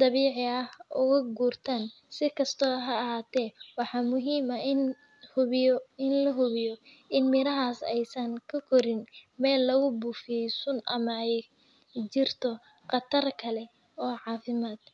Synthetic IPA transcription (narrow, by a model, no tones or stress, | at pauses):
d̪ɑβiːʕɪɐhʔʊɣɐɡuːrt̪ʰaːn | sɪkʰɐst̪ʰɔːɦɐɐɦaːt̪ʰɛːwɑħɑːmʊɦiːmɐɪn | hʊɪnlɐɦʊβɪjɔ | ʔɪnmɪɾɐɦaːsɛ̰jsɐŋkʰɐkʰɔɾɪnmɛːlːɐɣʊbuːfɪɛjsʊnʔɐmɐɛj | t͡ʃɪrt̪ʰɔ | qɑt̪ʰɐrkʰɐlɛ | ɔːʕɑːfɪmaːd̪̥̚